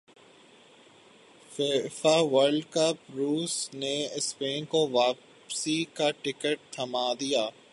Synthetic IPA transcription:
feːfaːʋəɾɖkɐpɾuːsneɪspeːnkoʋaːp | sikaʈɪkəʈ̚t̪ʰɐmaːd̪ijaː

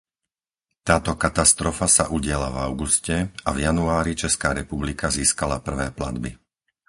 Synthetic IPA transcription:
t̪aːt̪ɔkat̪ast̪ɾɔfasa̰ʔuɟɪɛlavaʊɡuscɛavjanuaːɾit͡ʃɛskaːɾɛpublikaziːskalapr̩ʋɛːpla̰d̪bḭ

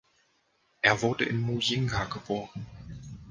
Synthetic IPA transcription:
ʔeːɐvʊɐdəʔɪnmujɪŋɡaɡəboːʁən

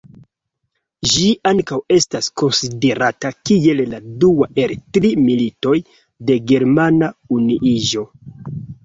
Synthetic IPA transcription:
ʒiʔaŋkawe̞stasko̞nside̞ɾatakie̞lladuaʔe̞ltɾimilito̞j | de̞ɡe̞ɾmanauniʔiʒo̞

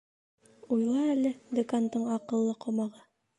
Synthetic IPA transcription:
ujlˠɑælɘd̪ukant̪ɤɴɑqɤ̆lˠːɤqŏmɑʁɤ

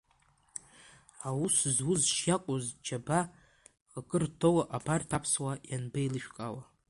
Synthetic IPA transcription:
awuszwʊzʃjakʷʼozd͡ʒaba | χakʼɨrtʰowaʔabartʰapʰswajanbejlɨʃᶣkʼawa

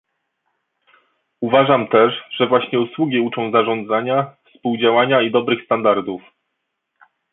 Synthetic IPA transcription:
uvaʐamt̪ɛʂʐɛvwaɕɲɛuswuɡʲiut͡ʂɔ̃w̃zaʐɔ̃nd̪zaɲafspuwd͡ʑawaɲaid̪ɔbɾɘxst̪and̪aɾd̪uf

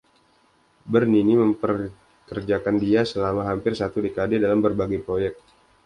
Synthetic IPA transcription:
bərniniməmpər | kərd͡ʒakandiasəlamaɦampɪrsat̪udekadedalambərbaɡajpɾojɛk̚t̪̚

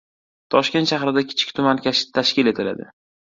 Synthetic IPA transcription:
t̪ʰɒʃkʲent̪ʃahɾɪd̪akʲʰɪ̥t͡ʃʰɪ̥k̚ʲt̪ʰʊmankʲʰaʃɪ̥t̪ʰaʃkʲɪle̞t̪ʰɪla̰d̪ɪ

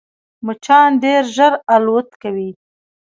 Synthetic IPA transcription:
mʊt͡ʃɑnɖeɾʒəɾalot̪kawi

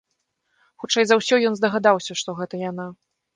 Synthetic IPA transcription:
xut͡ʂɛjzawsʲɔjɔnzd̪ɐɣad̪awsʲɐʂt̪ɔɣɛt̪ɐjana

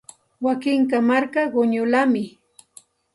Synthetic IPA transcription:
wakɪŋkamaɾkaɢʊɲʊlamɪ

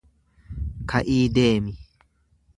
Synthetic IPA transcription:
kʰaʔiːdeːmi

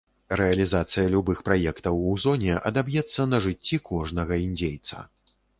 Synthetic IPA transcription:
ɾɛɐlʲizat̪sɨjɐlʲubɨxpɾajɛkt̪ɐwuzɔnʲɛʔɐd̪abjɛt̪sːɐnɐʐɨt͡sʲːikʰɔʐnɐɣɐinʲd͡zʲejt̪sɐ̰

